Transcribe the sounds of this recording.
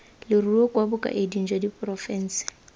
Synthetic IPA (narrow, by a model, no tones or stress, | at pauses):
lɪruɔkʼwabʊkʼa̰ʔedin̩d͡ʒwodipʼrɔfɛn̩ːsɪ̥